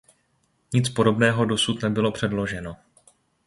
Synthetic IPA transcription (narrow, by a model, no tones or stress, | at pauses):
ɲɪt͡spo̞do̞bnɛːɦo̞do̞sut̪nɛbɪlo̞pr̝̥ɛdlo̞ʒɛno̞